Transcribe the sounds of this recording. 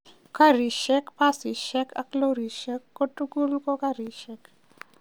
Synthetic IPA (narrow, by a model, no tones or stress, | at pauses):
kɐɾiʃekpasiʃekɐ̰kloɾiʃekːoʈuɡulkokaɾiʃek